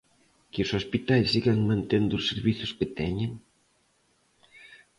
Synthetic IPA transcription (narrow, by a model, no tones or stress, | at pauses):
keosospit̪ajsiɣaŋmãnt̪end̪ʊseɾβiθʊsket̪ɛɲeŋ